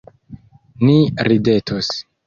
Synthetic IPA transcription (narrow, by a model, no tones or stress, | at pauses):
niɾide̞tʰos